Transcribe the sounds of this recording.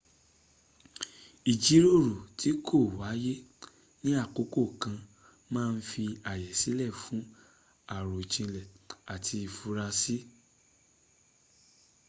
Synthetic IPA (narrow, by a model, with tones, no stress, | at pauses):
i˨d͡ʒi˨˦ɾo˦˨ɾo˨tʰi˨˦kʰo˦˨wa˨˦je˦ | nĩ˦a˦˨ko˨˦ko˦˨kã˧ | mãː˦˧n̩˦fi˧a˨jɛ˨si˨˦lɛ˦˨fũ˨˦ | a˦˨ɾo˨t͡ʃĩ˧lɛ˨a˨tʰi˧i˧˨fu˧ɾa˧si˦